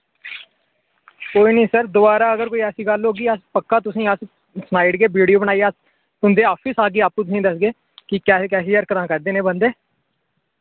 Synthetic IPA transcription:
koːiːnĩːsəɾd̪ʊbaːɾaːəɡəɾkoːiːɛːsiːɡəlɦoːɡiːəspəkːaːt̪̬ʊsĩːəs | snaːɪɖkeːbiːɖijoːbəɳaːiːas | ʊnd̪eːɔːpʰɪsaːɡeːaːpũːt̪ʊsĩːd̪əsɡeː | kɪkɛːkɛːsiːəɾkət̪ãːkəɾd̪eːneːbənd̪eː

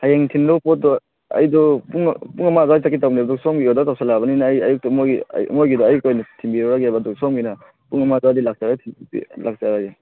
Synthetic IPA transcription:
hajeŋtʰindɔpɔt̚dɔ | a̰jdɔpuŋpuŋamadɔaisak̬itawnibadɔk̚sɔmɡiɔdɔtawsalabaninaːjajuk̚tɔmoɡḭmojɡidɔajkojnatʰimbiɾɔɾaɡabaduk̚sɔmɡina | puŋamadɔadilak̚saɡatʰiḭlʔak̚t͡ʃaɾaɡe

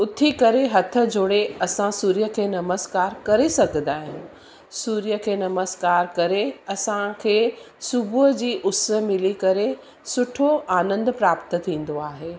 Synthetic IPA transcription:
ʊt̪ʰikɐɾeɦɐt̪ʰə̆d͡ʑʱoːɽeɐsãsuːɾijəkʰeːnɐməskaːɾkɐɾesɐɡʱə̃nd̪aːɦɪ̃ | suːɾijəkʰeːnɐməskaːɾkɐɾeɐsãkʰeː | sʊbʱuɦəd͡ʑiːʔʊsə̆mɪlikɐɾe | sʊʈʰoaːnə̃nd̪pɾaːpt̪ə̆t̪ʰĩːn̆d̪oaːɦeː

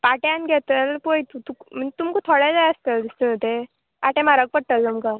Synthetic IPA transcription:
paʈjãnɡʱɛt̪əlpojt̪ut̪ukm̤ənt̪umkot̪ʰoɽɛd͡zajəst̪əld̪ist̪ənət̪e | aʈẽmaɾək̚pəɽ̚t̪əlt̪umkə

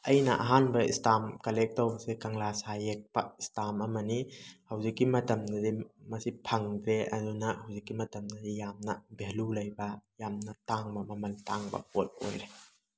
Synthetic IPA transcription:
ʔɐjna̰ʔɐɦanbɐḭstamkɐlɛk̚tɔwbɐsekaŋlasajek̚pa̰istamɐmɐnihɐwzikːimɐtɐmnadimɐsipʰɐŋɡeʔɐ̰dunahɐwzikːimɐtɐmɡadijamnɐbelulɐjbɐjamnataŋbɐmɐmɐltaŋbɐ̰pot̚o̰le

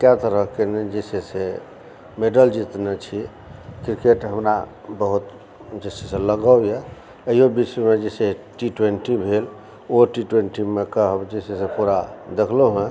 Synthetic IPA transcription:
kɛt̪əɾəɦkened͡ʒesese | meɖəld͡ʒit̪net͡ʃʰi | kɾikeʈɦəmɾabəɦut̪ | d͡ʒeseseləɡəjɛ | əjobiswemed͡ʒeseʈiʈweɳʈibʱel | oʈiʈweɳʈimekəɦəbd͡ʒesesepuɾad̪ekʰloɦɛ̃

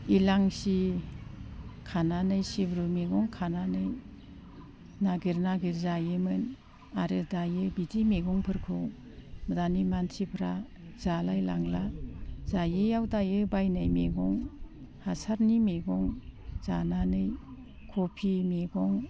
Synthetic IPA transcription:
ilaŋsi | kʰananɯjsibɾumeɡɔŋkʰananɯj | naɡiɾnaɡiɾzajɯmɯn | aɾɯdajɯbitimeɡɔŋpʰɯɾkʰɯ | mədanimansʰipʰɾa | zalajla̰ŋlazajejawdajɯbajnajmḛɡɔŋ | hasaɾnimeɡɔŋz̥ananɯj | kʰopʰimeɡɔŋ

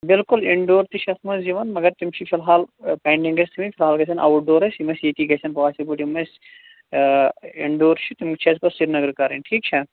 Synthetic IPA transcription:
bɪlkuliɳɖoːɾt̪it͡ʃʰɐsmɐsd͡ʒiʋɐnmɐɡɐɾt̪umt͡ʃʰifʰilɦaːlpɐːɳɖĩŋɡɐsʲt̪ʰimifʰʲilɦaːlɡɐsʰɐnʔɐ̰wuʈ̚ɖoːɾɐsimɐsjet̪iːɡɐsʰʲɐnpɔːsibuʈimɐsʲ | ɪɳɖoːɾt͡ʃʰit̪umkt͡ʃʰɐspɐsiɾnɐɡɐɾkaɾɐnʈʰiːk̚t͡ʃʰɐ

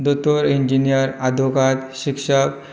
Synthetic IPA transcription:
d̪ot̪oɾiɲd͡ʑinijəɾad̪ʱokat̪ɕikʂək

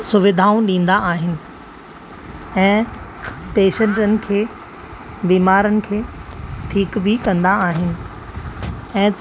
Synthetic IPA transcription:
sʊʋɪd̪ʱaːũɗĩːn̆d̪aaːɦɪnɪ̆ | ɛ̃ː | peːʃə̃ɳʈənɪ̆kʰeː | biːmaːɾənɪ̆kʰeːʈʰiːkbɪkɐ̃nd̪aaːɦɪnɪ̆ | ɛ̃ː

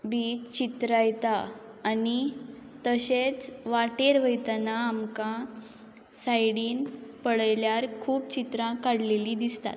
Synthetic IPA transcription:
bit͡ɕit̪ɾajt̪aː | nit̪əɕet͡sʋaʈeɾʋəjt̪naːmkã | sajɽiːnpəɽjljaɾkʰuːp̚t͡ɕit̪ɾãkaɽ̤leliːd̪ist̪a̰t̪̚

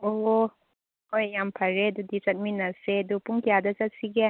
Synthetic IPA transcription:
oɦo | ojjampʰɐɾedudit͡ʃɐt̚minɐsedupuŋkijadɐsɐt̚siɡɛ

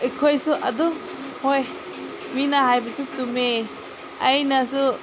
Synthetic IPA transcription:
ikʰojsuʔadɔ | hoj | minaɦajbasut͡ʃume | ajnasu

